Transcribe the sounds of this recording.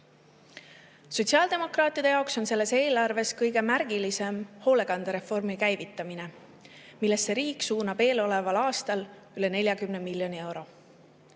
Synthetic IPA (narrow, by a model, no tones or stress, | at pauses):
so̞t̪ʲsiɑld̪̥e̞mo̞krɑːt̪ˑːid̥̪e̞jɑokso̞nse̞lːe̞se̞ːlɑrve̞skɤjɡ̥e̞mærɡ̥ilise̞mho̞ːle̞ɡ̥ɑnd̪̥eɾe̞fo̞rmikæjvit̪ːˑɑmine̞ | milːe̞stːe̞ɾiːkːˑsuːnɑb̥e̞ːlo̞le̞vɑlɑːst̪ɑl | yle̞ne̞lʲjɑkymne̞miljo̞nie̞wɾo̞